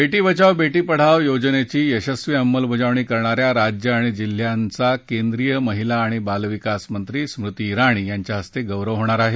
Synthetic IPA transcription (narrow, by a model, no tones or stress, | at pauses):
beʈiːbət͡ɕaʋbeʈiːpəɽ̤aʋjod͡znet͡ɕiːəɕəsʋiəmːəlbʱəd͡zaʋɳiːkəɾɳaɾjaɾad͡ʑjəaɽ̃id͡ʑil̤ːjant͡sakend̪ɾijəməɦilaːɽ̃ibalʋikasmənt̪ɾiːsmɾut̪iːɾaɽ̃iːjaɲt͡ɕjaɦəst̪eɡəʋɾəʋɦoɽ̃aɾaɦe